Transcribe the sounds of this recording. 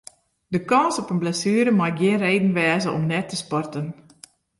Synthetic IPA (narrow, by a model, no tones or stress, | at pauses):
dəkɑnsɔpənblasyːɾəmaɡiənreːdən̩ʋɛːzəʔɔ̰mnɛtʰːəspɔrtən